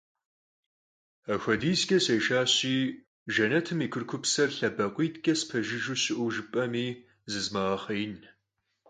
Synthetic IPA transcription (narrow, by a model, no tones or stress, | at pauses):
axʷɐdiːzɡʲʼɐsejʃaːɕiː | ʒɐnɐtʰɨmiːkʷʰʊrkʷʰʊpsɐrɬɐbɐqʷiːtʰɡʲʼɐspʰɐʒɪʒuɕɪʔʷʊʒɪpʼɐmiː | zɨzmɐʁɐχɐjn